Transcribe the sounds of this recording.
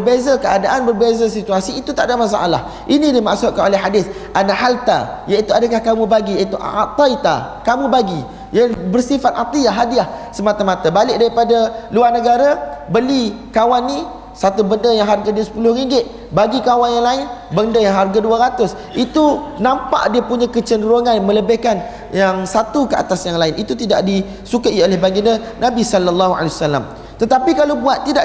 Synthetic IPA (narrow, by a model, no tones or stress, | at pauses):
bərbezakəadaʔanbərbezas̬it̪uasiːt̪ut̪aʔdamas̬aʔa̰la̰h | ʔinĩdimaʔsʊʔ̪̚kanolɛɦadɪθ | anahalt̪a̰jait̪uadakahkamũbaɡijait̪uʔat̪ait̪a̰ | kamubaɡi | jabərsifat̪̚at̪iaɦadiahsəmat̪amat̪abalɪk̚daɾipadaluarnəɡaɾabəli | kawanːĩ | sat̪ubəndəjaŋɦarɡaduasə̥pulʊhɾiŋɡɪt̪̚ | baɡikawanjaŋlaɪnbəndəjaŋɦarɡaduaɾat̪ʊs | ʔit̪unãmpa̰ʔdiapuɲãkət͡ʃəndəɾoŋãnmə̃ləbehkan | jaŋsat̪ukəa̰t̪asjaŋlaɪnʔit̪ut̪idaʔdi | sukaʔiolɛhbaɡinənãbisɔlalːaɦua̰lewsalːa̰m | t̪ət̪apikalowbuat̪ːidaʔ